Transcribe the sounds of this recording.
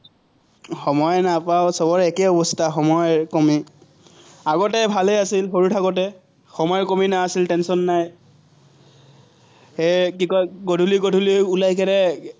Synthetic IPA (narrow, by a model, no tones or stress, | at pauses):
xɔmɔjnapawsɔbɔɹɛkɛɔbɔstʰaxɔmɔjkɔmi | aɡɔtɛbʱalejasilxoɹutʰakɔtɛ | xɔmɔjkɔminaːsiltɛnsɔnːaj | ekikɔjɡodʱuliɡodʱuliulajkɛɾɛ